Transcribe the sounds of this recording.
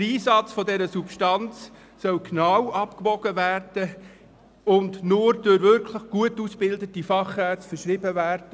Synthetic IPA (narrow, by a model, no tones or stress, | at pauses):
əɾiːsɑt͡sfɔdɛɾəsupʃtɑnt͡s | sœwknawɑpkbɔɡ̥əværd̥ə | ʊndnʊɾdøɾvʏɾkʰləχɡ̥uətusb̥ɪldətifɑχæt͡ssfəɾʃɾibəvæːɾd̥ə